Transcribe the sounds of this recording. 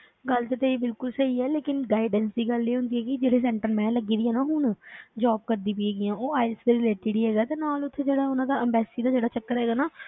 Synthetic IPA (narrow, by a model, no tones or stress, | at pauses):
ɡəlt̪ət̪eːiːbɪlkʊlsəɦiːɛːleːkɪnɡaːɪɖənsd̪iːɡəlːiːɦõːnd̪iːɦɛːkɪd͡ʒeːɽeːs̬ɛ̃ːɳʈəɾmɛ̃ːləɡiːd̪ijãːnãːɦʊɳd͡ʒaːb̚kəɾd̪ĩːpieːɡijãːoːaːɪsd̪eɾileːʈʈiːɽiːɦɛːɡaːt̪eːnaːlʊt̪ʰːeːd͡ʒeːɽaːʊnãːd̪aːəmbɛːsiːd̪aːd͡ʒeːɽaːt͡ʃəkːəɾɦɛːɡaːnaː